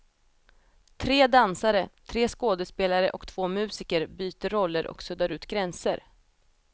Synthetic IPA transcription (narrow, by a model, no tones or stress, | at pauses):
t̪ʰɾeːd̪ansaɾət̪ʰɾeːskoːd̪əspeːlaɾə̰ʔɔkt̪ʰv̥oːmʉ̟ːsɪkəɾbyːt̪əɾːɔlːəɾʔɔ̰ksɵd̪aɾʉ̟ːt̪ɡɾɛnsə̰ɾ